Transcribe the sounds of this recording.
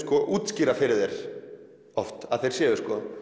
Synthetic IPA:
skɔʔuːt̪sciːɾafɪɾɪðɛɾ̥ | ɔft̪aðθejɾ̥sjɛːvʏskɔ

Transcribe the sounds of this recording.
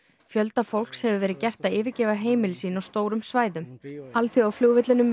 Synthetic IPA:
fjœl̪t̪afowl̥kshɛvʏvɛːɾɪðcɛr̥t̪aɪːvɪcɛːvaɦeːjmɪlɪsiːnawst̪oːwɾʏmsvaːjðʏmalθjoawfljuɣvɪt̪lɪnʏm

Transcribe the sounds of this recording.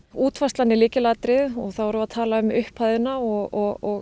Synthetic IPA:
uːt̪fast̪lanːɪliːcɪlat̪ɾɪðɔɣθawvɔɾʏvaðt̪ʰaːlaʏmʏhphajðʏnaɔɣɔɣɔɣ

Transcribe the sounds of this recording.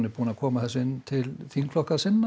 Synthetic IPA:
nɪɾpuːnakʰɔːmaθɛsɪnːt̪ʰɪlfiŋkflɔhkaðsɪnː

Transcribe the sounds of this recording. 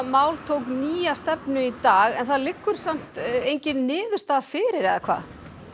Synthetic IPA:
maːwlt̪ʰowkniːast̪ɛpnʏit̪aːɣɛnθaðlɪkːʏɾ̥sam̥t̪ejɲcɪnːɪːðʏst̪afɪːɾɪɾɛðakʰva̰ː

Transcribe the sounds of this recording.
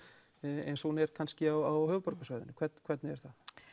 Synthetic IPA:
ɛ̰nsunɛɾ̥kʰanscɪawawhœːvʏpɔɾkasaːɥjðʏnʏkʰvɛt̪nkʰvɛt̪nɪɛɾ̥θa

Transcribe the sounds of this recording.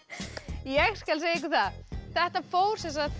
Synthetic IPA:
jɛɣscɛlseːjek̬ʏθaðθɛht̪afoːwɾ̥sɛnsað

